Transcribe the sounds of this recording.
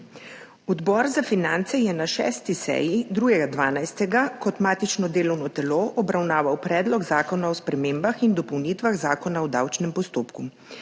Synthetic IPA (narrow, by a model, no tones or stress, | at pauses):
ɔd̪bɔɾzafinant̪sɛjɛnaʃɛ̰ːst̪isɛ̰jid̪ɾuːɡɛɡad̪ʋaːnajst̪ɛɡakɔt̪maːt̪it͡ʃnɔd̪eːlɔwnɔt̪ɛloːʔɔbɾawnaːʋawpɾɛːd̪lɔɡzaːkɔnaɔspɾɛmeːmbaxind̪ɔpɔwnit̪ʋaɣzaːkɔnaɔd̪awt͡ʃnɛmpɔst̪oːpku